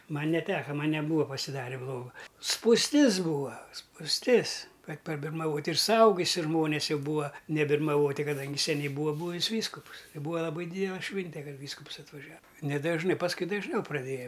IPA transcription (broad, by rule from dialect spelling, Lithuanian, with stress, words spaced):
ˈmɐnʲ nʲɛˈtʲæːkɐ ˈmɐnʲ nʲɛˈbuːɐ pɐsʲɪˈdɑːrʲeː ˈblˠoːɡɐ spuːsʲˈtʲɪs ˈbuːɐ spuːsʲˈtʲɪs ˈkɐt pɐbʲɪrmɐˈʋoːtʲ ɪr sʊˈɐʊɡʊsʲɪ ˈʒmoːnʲɛs ˈjɛʊ ˈbuːɐ nʲɛbʲɪrmɐˈʋoːtʲɪ kɐˈdɐŋʲɡʲɪ sʲɛˈnʲɛɪ ˈbuːɐ ˈbuːʋʲɪs ˈʋʲiːskʊpʊs ɪ ˈbuːɐ lˠɐˈbɐɪ ˈdʲiːdʲɛlˠɐ ˈʃʲʋʲɪnʲtʲɛ ˈkɐt ˈʋʲiːskʊps ɐtʋɐˈʒʲɛ nʲɛdɐʒˈnɨ pɐsˈkʊɪ dɐʒʲˈnʲɛʊ prɐˈdʲeːjɛ